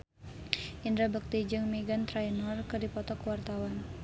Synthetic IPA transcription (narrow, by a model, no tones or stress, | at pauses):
ʔindɾabək̚t̪id͡ʒɨŋmeɡant̪ɾainɔrkɨrdipɔt̪ɔkwart̪awan